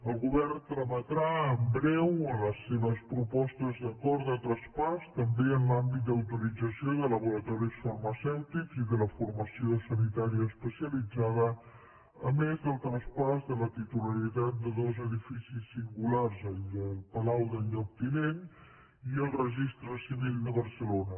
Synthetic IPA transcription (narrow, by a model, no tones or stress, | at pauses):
əlˠɣuβɛrnt̪ɾəmət̪ɾaəmbɾɛwələsːeβəspɾupɔst̪əzðəkɔɾðət̪ɾəspast̪əmbeənlambit̪̚d̪əwt̪uɾid͡zəsioðələβuɾət̪ɔɾisfərməsɛwt̪ikziðələfurməsiosənit̪aɾiəːspəsiəlid͡zaðə | əmezðəlˠt̪ɾəspazðələt̪it̪uləɾit̪at̪̚d̪əðɔzəðifisisːiŋɡularzəəlˠpəlawðəʎɔk̚t̪inen | iəlˠrəʒist̪ɾəsiβild̪əβərsəlonə